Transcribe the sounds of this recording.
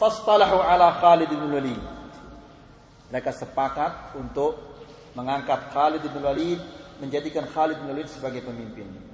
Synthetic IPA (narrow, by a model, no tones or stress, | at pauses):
fɑst̪ɑlaħuʕalaxalɪd̪ɪbnulwaliːd̪̚ | məɾekasəpakat̪̚unt̪ʊk̚ | məŋaŋkat̪̚xalɪd̪ɪdnulwalid̪̚məɲd͡ʒadikanxalɪd̪̚nwalid̪səbaɡajpəmimpɪn